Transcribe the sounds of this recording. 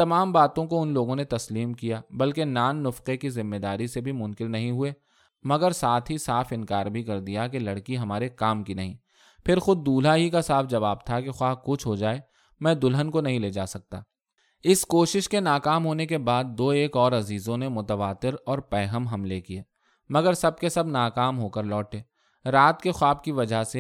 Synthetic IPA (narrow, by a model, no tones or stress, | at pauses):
t̪ɐmaːmbaːt̪õkoʊnloːɡõnet̪ɐsliːmkijaːbɐlkenaːnːʊfqekizɪmːed̪aːɾisebʱimʊ̃nkɪlnɐɦĩɦʊe | mɐɡəɾsaːt̪ʰɦisaːfɪ̃nkaːɾbʱikɐɾd̪ijak̬elɐɽkiɦɐmaːɾekaːmkinɐɦĩː | pʰɪɾxʊd̪̚ːuːlaɦikasaːfʰd͡ʒɐʋaːb̚t̪ʰakexwaːkʊt͡ʃʰɦod͡ʒaːe | mɛ̃ːd̪ʊlɦənkonɐɦĩleːd͡ʒaːsɐk̚t̪a̰ː | ɪskoːʃɪʃkenaːkaːmɦoːnekebaːd̪̚ːoːeːkɔːɾɐziːzõnemʊt̪əʋaːt̪ɪɾɔːɾpɛːɦəmɦɐmlekieː | mɐɡəɾsɐb̚kesɐbnaːkaːmɦoːkəɾlɔːʈeː | ɾaːt̪kexwaːb̚kiʋɐd͡ʒʱase